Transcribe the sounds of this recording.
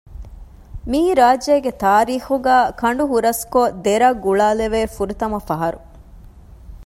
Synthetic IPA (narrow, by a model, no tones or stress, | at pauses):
miːɾaːd͡ʒeːɡet̪aːɾiːxuɡæːkɐɳɖuɦuɾɐskod̪eɾɐɡuɭaːleʋeːfuɾut̪ɐmɐfɐɦɐɾu